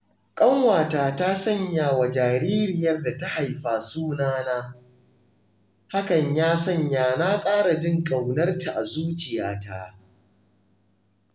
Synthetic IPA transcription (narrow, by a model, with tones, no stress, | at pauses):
kʼɐ˦ŋwaː˨taː˨taː˦sɐ˦ɲjaː˨wa˨d͡ʒaː˨ɾiː˦ɾɪ˨jɐ˦rda˨ta˦ha˨jɸaː˨suː˦naː˦naː˦ | ha˦kɐ˨ɲjaː˦sɐ˦˨ɲjaː˨naː˦kʼaː˦ɽa˨d͡ʒɪ˦ŋkʼa˨wnɐ˦rta˨ʔa˨zuː˦t͡ʃɪ˨jaː˨ta˦